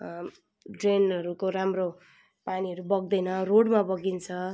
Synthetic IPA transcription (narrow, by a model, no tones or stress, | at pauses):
ɖrenʌɾukoɾamro | paniʌɾubʌɡ̚d̪ʌjnʌroɽmabʌɡint͡sʰʌ